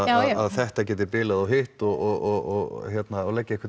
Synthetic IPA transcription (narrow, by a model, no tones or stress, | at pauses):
aðaðθɛht̪acɛːt̪ɪpɪːlaðawɦɪht̪ɔɣɔɣɔɣɔɣçjɛt̪naːwlɛcːɪɛhkʰva